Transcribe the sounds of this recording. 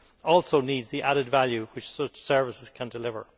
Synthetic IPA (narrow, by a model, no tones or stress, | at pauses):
ɔːlˠsoʊniːdzðiʔaɾɪdvaljuwɪt͡ʃsʊt͡ʃsɜ˞vɪsɪz̥kʰə̃ndɪlɪvə̰˞